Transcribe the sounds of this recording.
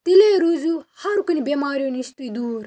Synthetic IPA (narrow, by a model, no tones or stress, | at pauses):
t̪ileːɾuzuːhɐɾukɐnibeːmaːɾijonist̪uid̪uːɾ